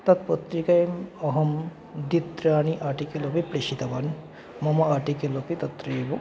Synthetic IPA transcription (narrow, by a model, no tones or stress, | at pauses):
t̪ɐt̪̚pot̪ɾikɐjmɐɦɐm | d̪it̪ɾaːniʔaʈikelopipɾeʃit̪ɐbɐn | mɐmɐaʈikelopit̪ɐt̪ɾeːbu